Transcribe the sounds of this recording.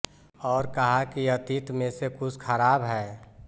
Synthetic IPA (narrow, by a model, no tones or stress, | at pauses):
ɔːɾkɐɦakiɐt̪it̪mẽsekʊt͡ʃʰkʰəɾaːbɦɛː